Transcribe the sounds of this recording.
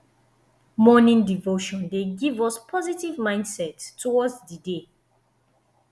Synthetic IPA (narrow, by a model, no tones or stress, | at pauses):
mɔnĩndivoʃɔ̃ndeɡivɔspʰɔzitivmãɪ̃ndsɛtːʰɔwɔdsdide